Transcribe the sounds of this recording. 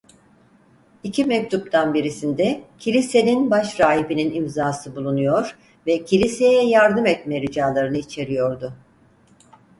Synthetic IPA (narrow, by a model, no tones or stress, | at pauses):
icʰimɛc̚t̪ʰup̚t̪ʰanbiɾisind̪ɛcʰilʲise̞ninbaʃɾaːɦibininimzaːsɯbulˠunujo̞ɾ | vɛcʰilʲise̞jɛjaɾd̪ɯmɛt̪mɛɾid͡ʒaːlˠaɾɯnɯit͡ʃʰe̞ɾijo̞ɾd̪ʊ